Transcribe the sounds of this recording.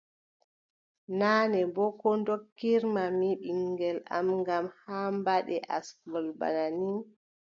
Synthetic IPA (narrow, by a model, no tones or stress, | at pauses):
naːnɛbɔkɔndokːiɾmamiɓiŋɡɛla̰mŋɡamhambaɗɛ̰ʔaskɔlba̰nani